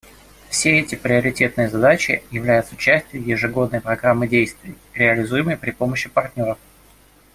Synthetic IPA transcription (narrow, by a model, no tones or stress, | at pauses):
fsʲeɛtʲɪpɾʲɪɐɾʲɪtʲe̞t̪̚nɨjəzɐd̪at͡ɕɪ̰jɪvlʲæjʊt̪sət͡ɕæsʲtʲjʊjɪʐɨɡo̞d̪̚nəjpɾɐɡɾamːɨdʲejst̪vʲɪj | ɾʲɪəlʲɪzujɪməjpɾʲɪpo̞məɕːɪpɐrt̪ʲnʲo̞ɾəf